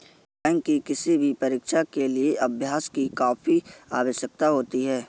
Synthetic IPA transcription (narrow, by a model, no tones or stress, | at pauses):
pɛ̃ːŋkːikɪsibʱipɐɾɪkʃakelieʔɐbʱjaːskikaːfiaːʋəʃjək̚t̪aɦoːt̪iɦɛː